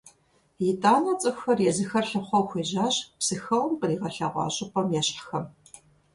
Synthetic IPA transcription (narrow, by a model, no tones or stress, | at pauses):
jitʼaːnɐt͡sʼɨxʷxɐrjɛzɨxɐrɬɨχʷɔxʷeːʑaːɕpsɨxɐwɐmqəriːʁɐɬa̰ːʁʷɑ̰ːɕʼɪpʰʼɐmjɛɕħxɐm